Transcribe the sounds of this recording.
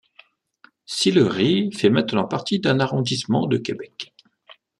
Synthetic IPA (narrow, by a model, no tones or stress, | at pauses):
siləʁifɛmɛ̃t̪nɑ̃paʁt̪id̪ɛ̃naʁɔ̃d̪ismɑ̰̃d̪əkʲebɛk